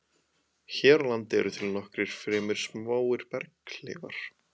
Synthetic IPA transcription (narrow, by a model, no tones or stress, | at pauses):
çɛːɾlant̪ɪɛ̰ɾʏt̪ʰɪlnɔhkɾɪɾ̥fɾɛːmɪɾ̥smaːwɪɾ̥pɛɾklɛ̰ːɣa̰ɾ̥